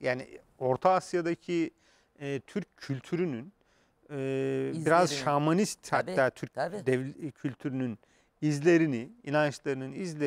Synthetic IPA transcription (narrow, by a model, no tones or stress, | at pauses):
jaːnḭ | o̞ɾt̪ʰaasjad̪acʰi | ɛt̪ʰyɾcʰːylʲt̪ʰyɾynyn | ɛbiɾazʃamanist̪hat̪ːæːt̪ʰyɾc̚d̪ɛvcʰylʲt̪ʰyɾynyn | izlʲe̞ɾiniinant͡ʃlˠaɾɯnɯnizlʲe